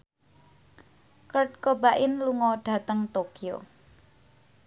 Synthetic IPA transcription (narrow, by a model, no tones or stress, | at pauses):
kərt̪̚kobaʔɪnluŋɔɖ̥ä̤t̪əŋt̪okio̰